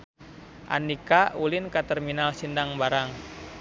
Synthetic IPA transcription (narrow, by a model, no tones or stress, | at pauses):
ʔa̰ndikaulinkat̪ɛrminalsindaŋbaɾaŋ